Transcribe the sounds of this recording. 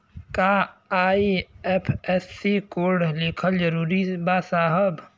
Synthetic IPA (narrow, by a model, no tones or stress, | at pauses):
kaaːiɛpʰɛsːikoːɾɖlɪkʰəld͡ʒəɾuːɾibaːsaːɦəb